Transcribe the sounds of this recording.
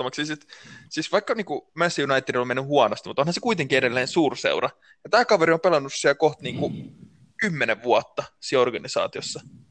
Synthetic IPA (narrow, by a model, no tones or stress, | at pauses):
omɑksisit̪siːsʋɑikːɑniːŋkumæsjunɑit̪ːidolmenːyhuɑnost̪imut̪onhɑsekuit̪eŋkieɾelːeːnsuːrsḛurɑ | jɑt̪æːkɑʋeɾiompelɑnːussiælkoht̪niːŋku | kymːeneʋʋuɑt̪ːɑsiorɡɑnisɑ̰ːt̪iosːɑ